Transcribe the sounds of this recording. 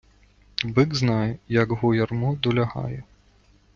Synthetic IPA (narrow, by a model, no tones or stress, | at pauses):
bɨɡznajɛjɐɡɣujarmud̪ulʲaɣa̰jɛ